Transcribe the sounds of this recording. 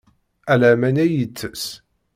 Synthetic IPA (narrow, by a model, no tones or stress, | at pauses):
ælæmænæjət͡sːəs